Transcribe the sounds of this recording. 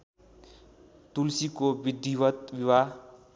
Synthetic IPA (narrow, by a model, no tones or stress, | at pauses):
t̪ulsikobid̪iwʌt̪biwa